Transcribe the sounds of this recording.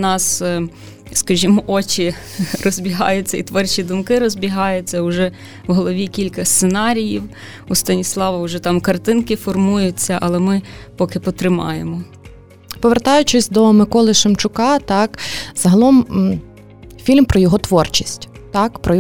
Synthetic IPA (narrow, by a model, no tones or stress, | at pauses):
nɑs | skɐʒʲimɔʔɔt͡ʃʲi | rɔzʲbʲiɦɑ̰jʊt͡sʲːɐit̪ʋɔrt͡ʃʲid̪ʊmkɪɾɔzʲbʲiɦɑjʊt͡sʲːɐʊʒɛ | wɦɔlˠɔʋʲikʲilʲkɐsʲt̪senɑɾʲijiw | ust̪ɐnʲislˠɑʋɐʊʒɛt̪ɑmkɐrt̪ɪnkɪfɔrmujʊt͡sʲːɐʔɐlˠɛmɪpɔkɪpɔt̪ɾɪmɑ̰jemɔ | pɔʋert̪ɑjʊt͡ʃɪsʲd̪ɔmɪkɔlˠɪʃɪmt͡ʃʊkɑt̪ɑkz̥ɐɦɐlˠɔm | fʲilʲmpɾɔjɔɦɔt̪ʋɔrt͡ʃisʲtʲt̪ɑkpɾɔj